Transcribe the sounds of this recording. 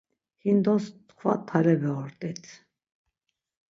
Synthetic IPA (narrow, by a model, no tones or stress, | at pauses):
hind̪ɔst̪χʰva̰t̪ʰːaɾlɛbɛɔɾt̪ʼɛt͡sʰ